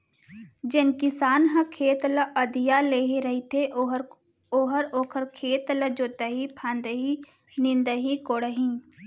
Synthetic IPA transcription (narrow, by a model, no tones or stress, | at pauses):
d͡ʒɪnkɪsaːnɦə̃kʰeːt̪ləʔəd̪ijaleːɦiɾɐɦit̪ʰeʔ | oːɦəɾoːkʰəɾkʰeːt̪ləd͡ʒoːt̪əɦipʰãːnd̪əɦi | nɪ̃nd̪əɦikoːɽəɦĩː